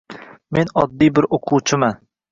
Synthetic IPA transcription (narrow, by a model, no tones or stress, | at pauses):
menɒd̪ːijbɪɾoqʰuwt͡ʃʰɪman